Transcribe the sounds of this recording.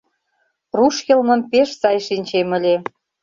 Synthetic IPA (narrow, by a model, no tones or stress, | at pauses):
ruʃjĕlmə̆mpeʃsɑjʃinʲt͡ɕemə̆lʲe